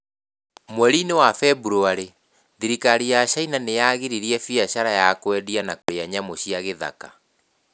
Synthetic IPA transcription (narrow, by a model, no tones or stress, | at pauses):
mwɛɾinewafɛbuɾoaɾe | ðiɾikaɾijaɕainanejaɣeɾiɾiɛfiaɕaɾajakwɛdianakoɾeaɲamoɕiaɣeða̰ka